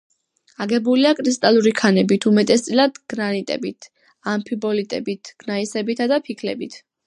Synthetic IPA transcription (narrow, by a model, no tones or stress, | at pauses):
aɡɛbuliakʼɾist̪ʼalˠuɾikʰanɛbit̪ʰumɛt̪ʼɛs̬t̪sʼilad̪ɡ̥ɾanit̪ʼɛ̰bit̪ʰ | ampʰibɔlit̪ʼɛ̰bit̪ʰɡ̥naisɛbit̪ʰad̪apʰikʰlɛ̰bit̪ʰ